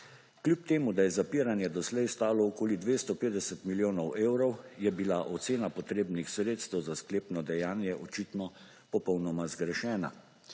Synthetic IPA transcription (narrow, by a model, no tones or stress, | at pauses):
klʲjupt̪eːmud̪ajɛzapiːɾanjɛd̪ɔslɛjst̪aːlɔːkoːlid̪ʋeːst̪ɔpeːd̪ɛsɛt̪miljoːnɔweːwɾɔwjɛbilaʔɔt̪seːnapɔt̪ɾeːbnixsɾeːt̪st̪ɛwzaskleːpnɔd̪ɛjaːnjɛʔɔt͡ʃit̪nɔ | pɔpɔwnɔmazɡɾɛʃɛːna̰